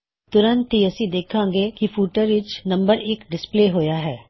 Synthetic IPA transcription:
t̪ʊɾə̃nt̪ɦiɐsĩd̪eːkʰãːŋɡeːkifʰuːʈəɾʋɪt͡ʃnɐ̃mbəɾɪkɖɪspleːɦojaɦɛː

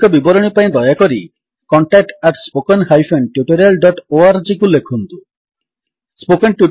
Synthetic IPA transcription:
ɔbibɔɾɔɽ̃ipaĩd̪ɔjakɔɾi | kɔɳʈak̚ʈaʈspokɔnɦajfʰenʈjuʈɔɾelɖɔʈoaɾd͡ʒikulekʰunt̪u | spokɔnʈju

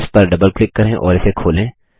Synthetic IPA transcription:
spɐɾɖɐbəlklɪkːɐɾẽʔɔ̰ːɾɪsekʰoːlẽː

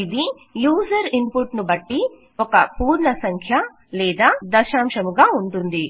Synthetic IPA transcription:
id̪i | juːsɐɾimpuʈnubɐʈːi | ɔkɐpuːɾɳɐsɐŋkʰjɐ | lɛːd̪aːd̪ɐʃaːmʃɐmuɡaːuɳʈund̪i

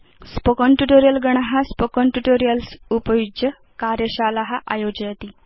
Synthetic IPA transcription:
spəkɔɳʈuʈoɾijəlɡəɳ̃aɦaspəkɔɳʈuʈoɾijəlsupəjud͡ʒjə | kaɾjəɕalaɦaʔajod͡ʑjat̪iː

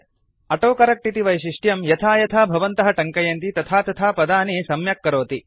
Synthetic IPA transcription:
ɐʈoːkɐɾɐk̚ʈit̪iʋɐjʃiʂʈjɐmjɐt̪ʰaːjɐt̪ʰaːbʱɐʋɐnt̪ɐɦɐʈɐŋkɐjɐnt̪it̪ɐt̪ʰaːt̪ɐt̪ʰaːpɐd̪aːnisɐmjɐkːɐɾoːt̪i

